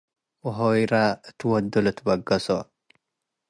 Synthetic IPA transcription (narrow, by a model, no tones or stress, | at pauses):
wɦojɾaɨt̪ʰɨwɔd̪ːulɨt̪ʰbɐɡɐso